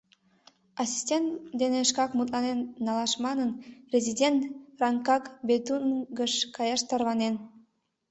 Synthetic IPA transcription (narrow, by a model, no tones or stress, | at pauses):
ɑsʲi̥sʲtʲent̪d̪eneʃkɑkmut̪lɑnenːɑlɑʃmɑnənprʲezʲidʲent̪rɑŋkɑkbet̪unɡəʃkɑjɑʃt̪ɑrβɑnen